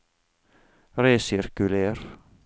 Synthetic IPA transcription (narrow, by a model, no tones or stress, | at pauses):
ɾeːsɪɾkʉleːɾ